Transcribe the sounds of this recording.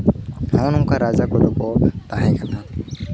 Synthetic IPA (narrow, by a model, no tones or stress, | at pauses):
hãːnũːkaːɾaːzaːkod̪okoːt̪aːẽːkʰənãː